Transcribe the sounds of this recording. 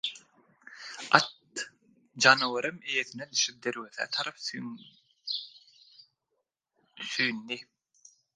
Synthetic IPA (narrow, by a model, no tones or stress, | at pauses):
ɑ̰t̪̚ | d͡ʒɑnɯwɯɾɯmejeθined̪yʃip̚d̪eɾweθæ̰ːt̪ʰɑɾɑp | syjnd̪i